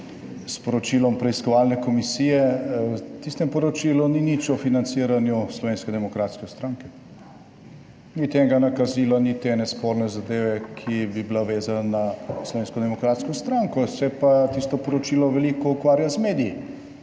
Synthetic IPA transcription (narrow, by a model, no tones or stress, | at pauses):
spɔɾɔt͡ʃilɔmpɾɛiskɔʋalnɛkɔmisiːjɛ | t̪ist̪ɛmpɔɾɔt͡ʃiːluninit͡ʃɔfinant̪siːɾanjuslɔʋeːnskɛd̪ɛmɔkɾat̪skɛst̪ɾaŋkɛ | nit̪eŋɡanakazilanit̪enɛspɔɾnɛzad̪eːʋɛkʰibiblaʋeːzananaslɔʋeːnskɔd̪ɛmɔkɾat̪skɔst̪ɾaŋkɔsɛpat̪ist̪ɔpɔɾɔt͡ʃiːlɔʋɛlikɔukʋaːɾjazmeːd̪iji